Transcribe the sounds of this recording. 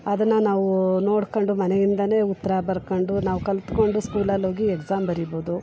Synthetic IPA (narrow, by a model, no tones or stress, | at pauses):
ɐd̪ɐnːɐnaːʋuno̞ːɽkoɳɖumɐnejind̪ɐne̞ːut̪ːɐɾɐbɐɾkoɳɖunaːʋukɐlt̪ko̞ɳɖuskuːlɐloːɡiekzaːmbɐɾiboːd̪u